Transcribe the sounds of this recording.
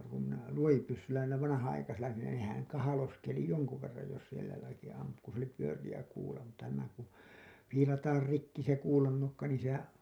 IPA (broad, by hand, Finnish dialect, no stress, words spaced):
kum minæ luojipysːylːæ niːlæ ʋɑnɑhɑnɑikɑsilːɑ nin ne nehæŋ kɑhɑloskeli joŋku ʋerːɑj jos sielæ jotɑki ɑmpu ku s oli pyørijæ kuːlɑ mutːɑ næmæ ku fiːlɑtɑːr rikːi se kuːlɑnːokːɑ niːn̞ sehæ